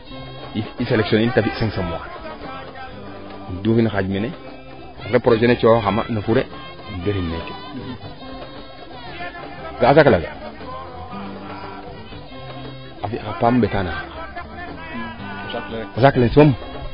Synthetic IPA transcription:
iiseleksonintafiseŋsomwa̰n | ndufinxad͡ʒmene | akepɾod͡ʒenet͡ʃoxama̰nafuɾe | ndeɾinːeke̥ | ɡas̬aklaɡa̰ | afikapamɓetanana | osaklesom

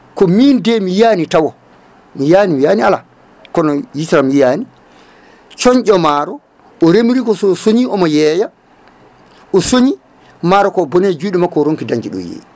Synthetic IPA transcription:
kɔmindɛmijanitawɔ | mijaːnimijaːniala | kɔnɔjisɾamijaːni | t͡ʃɔɲʔɔmaːɾɔ | ʔɔɾemiɾikɔsɔsoɲiɔmɔjɛːja | ʔɔsoɲi | maɾɔkɔbɔned͡ʒuiːɗumakɔɾoŋkidaɲd͡ʒiɗɔ̰jḛ

